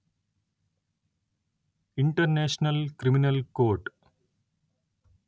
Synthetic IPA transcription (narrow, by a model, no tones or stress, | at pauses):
iɳɖɐrneːʂnɐlkriminɐlkoːrʈɨ̥